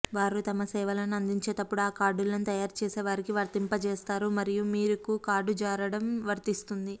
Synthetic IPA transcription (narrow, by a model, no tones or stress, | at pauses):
ʋaːɾut̪ɐmɐsɛːʋɐlɐnɐnd̪iɲt͡ʃe̞ːt̪ɐpːuɽaːkaːɾɖulɐnut̪ɐjaːɾt͡ʃeːseːʋaːɾikiʋɐɾt̪impɐt͡ʃɛːst̪aːɾumɐɾijumiːɾukukaːɾɖud͡ʒaːɾɐɽɐmʋɐɾt̪ist̪und̪i